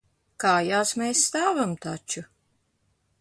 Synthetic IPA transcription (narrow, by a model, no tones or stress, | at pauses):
kaːjaːsmeːsːt̪aːvamt̪at͡ʃu